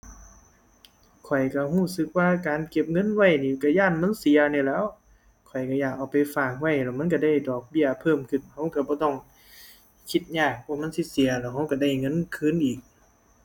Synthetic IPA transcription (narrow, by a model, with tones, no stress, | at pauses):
kʰɔ˨˩jka˧˩huː˧˥˩sɯ˧˥k̚waː˧kaː˨nke˧˩p̚ŋɤ˧˥˨nwa˧˨jniː˧˨˩ka˧˩jaː˧˥˨nma˧˥˨nsi˨˦ɐniː˧˩lɛː˧˥˨w | kʰɔ˨˩jka˧˩jaː˨˩k̚ʔa˨˩wpa˨jfaː˧˩k̚wa˧˩jlɛː˧˩wma˧˥˨k̬a˧˩da˧˥˩jdɔː˨˩k̚bi˧˩˨ɐpʰɤː˧˨mkʰɯ˧˩˨nha˧˩wka˧˩bɔː˧˦t̪ɔ˧˩ŋ | kʰi˧t̪̚ɲaː˧˩k̚pʰɔː˧˨ma˧˥˨nsi˧˥si˨˦ɐlɛː˧˩wɦa˧˩wka˧˩da˧˥˩jŋɤ˧˥˨nkʰɯː˧˥˨nʔiː˨˩k̚